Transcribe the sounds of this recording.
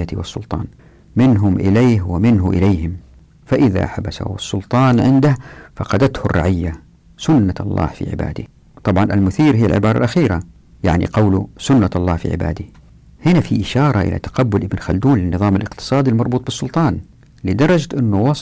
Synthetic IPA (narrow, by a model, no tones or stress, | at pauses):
at̪iwɪsˤːʊlt̪ˤɑ̰ːn | mɪnɦʊmʔɪleːɦwɪmɪnɦʊʔɪ̰leːhɪm | faʔɪða̰ħabasa̰ɑsˤːʊlt̪ˤɑːnʕɪnd̪ahfɑqɑd̪at̪hʊrːɑ̰ʕɪjːa | sʊnːaɑ̰lˤːɑ̰ːhfḭʕɪ̰ba̰ːd̪i | t̪ˤɑbʕɑnʔalmʊθiːɾɦijːa̰lʕɪbɑːɾˤɑ̰lʔaxiːɾa | jaʕnḭqɑwlʊsʊnːaɑlˤːɑːhfḭʕɪ̰ba̰ːd̪i | hɪnafiʔɪʃɑːɾˤɑʔɪ̰la̰t̪ḁqabːʊlʔɪbnxald̪uːnlɪnːɨðˤɑːmalʔɪqt̪ɨ̥sˤɑːd̪ilmɑɾˤbuːt̪̚ˤbɨsˤːʊlt̪ˤɑːn | lɪd̪ɑɾˤːɑd͡ʒt̪ʔɪnːuwɑ